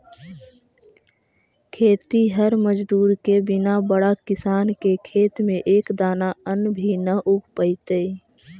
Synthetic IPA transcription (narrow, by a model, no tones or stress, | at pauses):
kʰeːt̪iɦəɾməd͡ʒd̪uːɾkebɪnabəɽakɪsaːnkekʰeːt̪mẽʔeːkd̪aːnaənbʱinəʔʊɡʱpəɪt̪ə